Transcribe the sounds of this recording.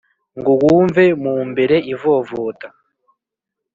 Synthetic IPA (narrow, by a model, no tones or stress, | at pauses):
ŋɡuwuːɱvemuːmbe̞ɾe̞ʔivovoːta